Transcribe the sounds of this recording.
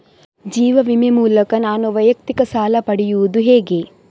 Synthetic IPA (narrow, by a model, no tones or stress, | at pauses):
d͡ʒiːʋɐʋimemuːlɐkɐnaːnuʋɐjɐk̚t̪ikɐsaːlɐpɐɽijuʋud̪uɦɛːɡe